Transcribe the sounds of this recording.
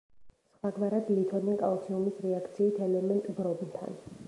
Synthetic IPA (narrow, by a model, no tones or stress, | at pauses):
swaɡvaɾad̪lit̪ʰɔnɛŋkʼa̰ɔt̪sʰiumisɾɛakʰt̪sʰiːt̪ʰɛlɛmɛnt̪ʼbɾɔbnt̪ʰa̰n